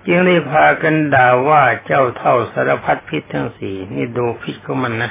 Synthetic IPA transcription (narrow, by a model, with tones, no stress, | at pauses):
t͡ɕɯ˧ŋda˥˩jpʰaː˧ka˧ndaː˨˩waː˧˩t͡ɕa˧˩wt̪ʰa˧˩wsa˨˧˦ɾa˧pʰa˧t̪̚pʰi˧t̪ːʰa˧˨ŋsiː˨˩nḭ˧˩doː˧pʰi˧˥t̪̚kʰa˧˩ma˧˨nːa˧